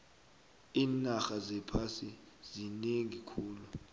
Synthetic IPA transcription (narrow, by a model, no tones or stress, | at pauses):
iːnaxazɛpʰasi | zineŋikʰuːlu